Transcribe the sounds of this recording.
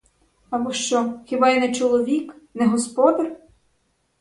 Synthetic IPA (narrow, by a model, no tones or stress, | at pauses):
ɐbɔʃt͡ʃɔxʲibɑjinɛt͡ʃɔlˠɔʋʲiknɛɦɔspɔd̪ɐr